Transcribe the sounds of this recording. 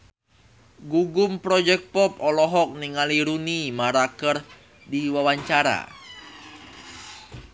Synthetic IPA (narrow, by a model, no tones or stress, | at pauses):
ɡuɡʊmpɾɔd͡ʒɛk̚pɔp̚ɔlɔɦɔk̚niŋaliɾunimaɾakər | diwawaɲt͡ʃaɾa̰